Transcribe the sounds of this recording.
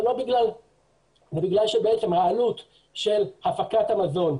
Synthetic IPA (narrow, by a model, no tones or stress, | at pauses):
lo̞biɡlal | zebiɡlalʃebeet͡se̞mʁaanut̪ | ʃe̞lhafakat̪hamazo̞n